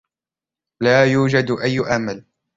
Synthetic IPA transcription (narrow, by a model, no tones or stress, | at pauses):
laːjuːd͡ʒad̪ʔajːʔamal